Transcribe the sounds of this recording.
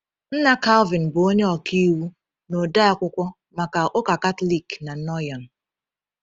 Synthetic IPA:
n̩˦na˦ka˦lvɪ˨n˨bo˨o˦ɲe˦ɔ˨ki˦wu˦ | no˨da˦a˨kʷʊ˦kʷɔ˦ | ma˨ka˨ʔʊ˦ka˨ka˦tli˦˨ɡna˨n̩˦nɔ˦jɔ˨n˨

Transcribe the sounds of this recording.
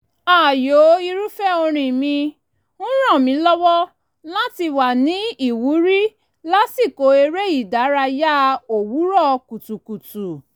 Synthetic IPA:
aː˦˨jo˨˦i˧ɾu˦fɛ˦˨o˧ɾ̃ĩ˧˨mĩ˧ | nũ˦ɾ̃ɔ̃˦˨mĩ˨˧˦lɔ˦wɔ˦ | lã˦ti˧wa˨nĩ˨˦i˦˨wu˨˦ɾi˦ | la˦si˦˨ko˨˦e˧ɾe˦i˦˨da˨˦ɾa˧ja˦o˨wu˨˦ɾɔ˦˨ku˨tu˨ku˨tu˨

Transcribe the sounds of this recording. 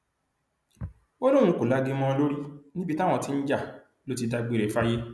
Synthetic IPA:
o˦lo˦ɾũ˧˦ko˨la˦˧ɡi˦˧mɔ̃˦˧lo˦ɾi˦nĩ˦bi˦ta˦˨w̃ɔ̃˧ti˨˧n̩˦d͡ʒa˦˨ | lo˦ti˧da˧ɡ͡be˨ɾe˨fa˦je˦

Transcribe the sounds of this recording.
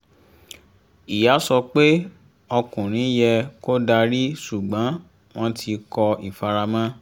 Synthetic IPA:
i˨ja˨˦sɔ˧k͡pe˦ | ɔ˧kũ˨ɾ̃ĩ˨˦jɛ˧ko˦da˧ɾi˦su˨ɡ͡bã˨˦ | w̃ɔ̃˦tʰi˧kɔ˧i˨fa˧ɾa˧mã˦

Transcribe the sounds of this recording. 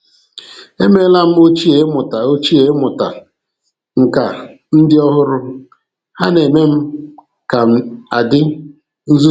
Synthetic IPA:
e˦me˦la˦m̩˦o˦t͡ʃi˦e˨˦mʊ˨ta˨o˦t͡ʃi˦e˦mʊ˨ta˨ | ŋ̩˨ka˨ | n̩˦dɪ˦ɔ˦ɦʊ˦ɾʊ˦ | ha˦ne˨me˦m̩˦ | ka˨a˨dɪ˦ | n̩˦zu˦

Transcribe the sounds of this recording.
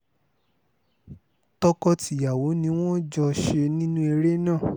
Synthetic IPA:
tɔ˧kɔ˧ti˨ja˨wo˨˦nĩ˧w̃ɔ̃˦d͡ʒɔ˧ʃe˧nĩ˦nũ˦e˧ɾe˦nãː˦˨

